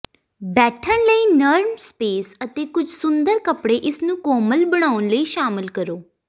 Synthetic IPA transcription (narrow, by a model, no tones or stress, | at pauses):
bɛːʈʰənləiːnəɾmspeːsət̪eːkʊd͡ʒʱsʊnd̪əɾkəpɽeːʔɪsnũːkoːməlbəɽ̃aːʊnləiːʃaːmɪlkəɾoː